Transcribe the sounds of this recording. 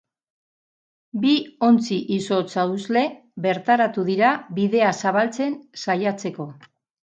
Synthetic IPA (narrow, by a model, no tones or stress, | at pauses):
bio̞nt͡siʔiso̞t͡sauzle̞ | βe̞ɾt̪aɾat̪uðiɾaβiðe̞asaβ̞alt͡se̞nsajat͡se̞ko̞